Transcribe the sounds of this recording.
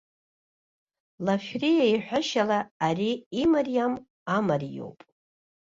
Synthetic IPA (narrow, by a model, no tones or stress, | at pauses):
lafrijaiħʷaʃalaːriimarijam | amarijo̞̰wpʼ